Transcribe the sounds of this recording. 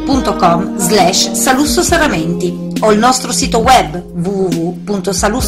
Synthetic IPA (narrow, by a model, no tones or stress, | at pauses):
punt̪okɔmzlɛʃsalusːosaɾament̪i | oilnɔst̪ɾosiːt̪owɛbː | vuvuvupunt̪osalu